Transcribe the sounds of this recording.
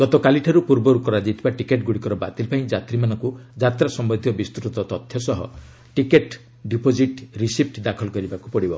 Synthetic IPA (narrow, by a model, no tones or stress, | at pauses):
ɡ̥ɔt̪ɔkaliʈʰaɾupuɾbɔɾukɔɾad͡ʒit̪ʰibaʈikeʈɡuɽikɔɾɔba̰t̪ilpaĩd͡ʒat̪ɾimanɔŋkud͡ʒat̪ɾasɔmbɔd̪ʱijɔbist̪uɾɔt̪ɔt̪ɔt̪ʰjɔsɔɦɔ̰ | ʈikeʈ | ɖipod͡ʒiʈɾisip̚ʰʈd̪akʰɔlɔkɔɾibaku̥pɔɽibɔ